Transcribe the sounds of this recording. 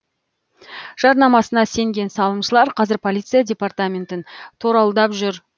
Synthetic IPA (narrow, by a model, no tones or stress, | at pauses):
ʒ̥ɑɾnɑmɑsənɑse̞ŋɡʲe̞nsɑlˠəmʃəlˠɑɾqʰɑzɪɾpʰo̞lˠijt̪sɨjadʲe̞part̪amʲe̞nt̪ɪnt̪ʰoɾɑlˠd̪ɑpʒʏɾ